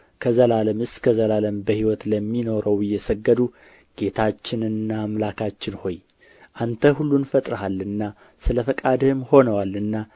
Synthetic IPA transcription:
kʰəzəlaləmɨskʰəzəlaləmbəhiwɔt̪ləmːino̞ɾəwɪjːɛsəɡːəd̪u | ɡ̥e̞t̪ʰat͡ʃːɪnɨnːaːmlakʰat͡ʃːɪnho̞j | ʔant̪ʰəhulːunfət̪ʼɾəhalːɨnːa | sɨləfəkʼad̪ɨhɨmho̞nəwalɨnːa

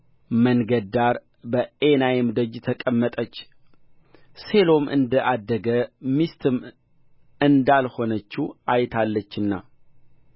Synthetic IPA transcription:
məŋɡəd̪aɾ | bəenajemd̪əd͡ʒt̪ʰəkʼəmːət̪ʼət͡ʃː | se̞lo̞mʔɨ̰nd̪əʔad̪ːəɡəmist̪ʰɨm | ɨnd̪alho̞nət͡ʃːuajt̪ʰalːət͡ʃːɨnːa̰

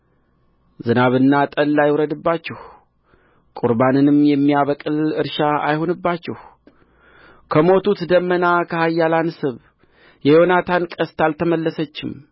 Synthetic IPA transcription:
zɨnaβɨnːat̪ʼəlːajwɾəd̪ɨbːat͡ʃːɛh | kʼuɾbanɨnɨmjɛmːijaβəkʼɨlɨɾʃaa̰jho̞nɨbːat͡ʃːɛh | kʰəmo̞t̪ut̪d̪əmːənakʰəhajːalansɨβ | jɛjo̞nat̪ʰankʼəst̪alt̪ʰəməlːəsət͡ʃːɪm

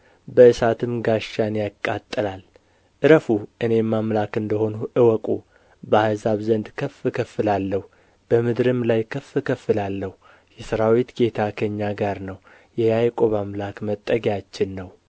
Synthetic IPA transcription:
bəɨsat̪ʰɨmɡaʃːanjakʼːat̪ʼːɨlal | ʔɨɾəfuʔɨne̞mamlakɨnd̪əho̞nuʔɨwɔkʼu | bəhazaβzənd̪kʰəfːɨkʰəfːɨlalːəhu | b̥əmɨd̪ɾɨmlajkʰəfːɨkʰəfːɨlalːəhu | jɛsəɾawit̪ɡe̞t̪ʰakʰəɲːaɡaɾnəw | jɛjajkʼoβamlakmət̪ʼːəɡjat͡ʃːɪnːəw

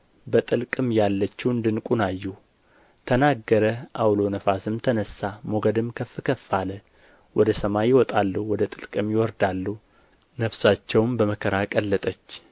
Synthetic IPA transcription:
bət̪ʼɨlkʼɨmjalːət͡ʃːuɨnd̪ɨnkʼunajːu | t̪ʰənaɡːəɾəʔawlo̞nəfasɨmt̪ʰənəsamoɡəd̪ɨmkʰəfɨkʰəfːalə | wʔɔd̪əsəmajɪwɔt̪ʼalːəhwɔd̪ət̪ʼɨlkʼɨmjɪwɔɾd̪alːuh | nəfsat͡ʃːɛwmbəməkʰəɾakʼəlːət̪ʼət͡ʃː

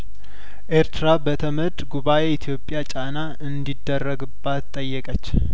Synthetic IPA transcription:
ʔe̞ɾt̪ɾabət̪ʰəməd̪ʼɡuβaʔeɪt̪ʰjo̞pʼːjat͡ʃʼanaʔɨnd̪id̪ːərːəɡɨbːat̪t̪ʼːəjːɛkʼət͡ʃː

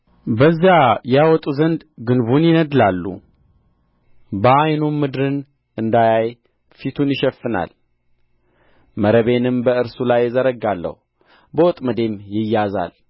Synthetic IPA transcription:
bəzːjajawɔt̪ʼuzənd̪ɡɨnβunjɪnəd̪lalːṵ | bəajnumːɨd̪ɾɨn | ɨnd̪ajaj | fit̪ʰunjɪʃɛfːɨna̰l | məɾəβe̞nɨmbəɨɾsulajːɪzəɾəɡalːə̰hu | bəwɔt̪ʼməd̪e̞mjɪjːaza̰l

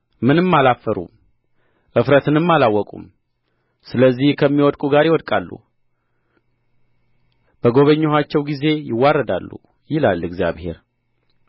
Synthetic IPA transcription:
mɨnɨmːalafːəɾṵm | ʔɨfɾət̪ɨnɨmːalawːɔkʼṵm | sɨləzːihkʰəmːiwɔd̪kʼuɡaɾɪwɔd̪̚kʼalːṵ | b̥əɡo̞βəɲːoɦat͡ʃːɛwɡize̞jɪwːarːəd̪a̰lːṵ | jɪlalːɨɡzja̰βhe̞̰ɾ

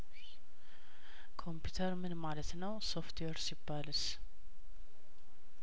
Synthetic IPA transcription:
kʰo̞mpjut̪ʰəɾmɨnmalət̪nəwso̞ft̪ʰweɾsibːalɨs

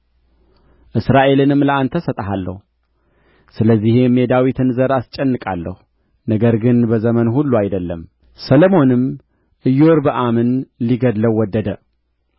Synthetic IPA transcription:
ʔɨsɾaʔe̞lɨnɨmləʔant̪ʰəsət̪ʼɦalːə̰hu | sɨləzːihemed̪awit̪ʰɨnzəɾast͡ʃʼɛnːɨkʼalːəhu | nəɡəɾɡɨnbəzəmənhulːuajd̪əlːəm | səlomo̞nɨm | ʔɨjːo̞ɾbəʔamɨnliɡəd̪ləwːɔd̪ːəd̪ə

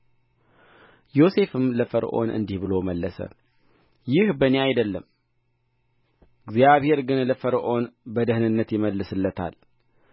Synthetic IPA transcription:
jo̞se̞fɨmləfəɾʔo̞̰nʔɨ̰nd̪ihbɨlo̞məlːəsə̰ | jɪhbəneajd̪əlːəm | ɨɡzjaβhe̞ɾɡɨnləfəɾʔo̞nbəd̪əhnɨnːət̪jɪməlːɨsɨlːət̪ʰa̰l

